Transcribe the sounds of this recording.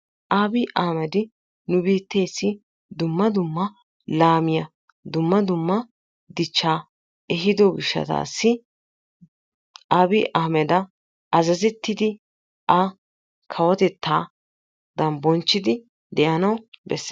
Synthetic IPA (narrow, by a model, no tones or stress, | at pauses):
ʔaːbiʔaːmɛd̪ɪ | nʊbiːt̪ːeːsːɪ | d̪ʊmːɐd̪ʊmːɐ | laːmɪjɐ | d̪ʊmːɐd̪ʊmːɐ | d̪ɪt͡ʃːaː | ɛɦɪd̪oɡɪʃːɐ̰t̪a̰ːsːɪ | ʔaːbiːʔaːmɛd̪ɐ | ɐzɐzɛt̪ːɪd̪ɪ | ʔɐ | kʰɐwɔt̪ɛt̪ːaː | d̪ɐnbɔnt͡ʃːɪd̪ɪ | d̪ɛʔɐnɐwbɛ̰sː